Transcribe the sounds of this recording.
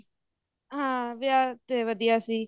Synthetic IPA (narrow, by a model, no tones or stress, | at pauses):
ɦãːʋɪjaːt̪eːʋəd̪ijaːsiː